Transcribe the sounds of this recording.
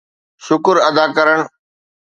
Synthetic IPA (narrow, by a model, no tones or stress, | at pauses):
ʃʊkɾɐd̪aːkɐɾəɳ̃